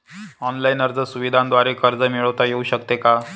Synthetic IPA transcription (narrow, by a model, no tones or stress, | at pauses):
ɔnlainəɾd͡zəsuʋid̪ʱãnd̪ʋaɾekəɾd͡zəmiɭəʋt̪ajeuɕəkt̪eka